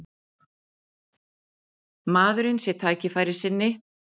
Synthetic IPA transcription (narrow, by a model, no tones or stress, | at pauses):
maːðʏɾɪnsjɛt̪ʰaːcɪfaːjɾɪ̥sɪnːɪ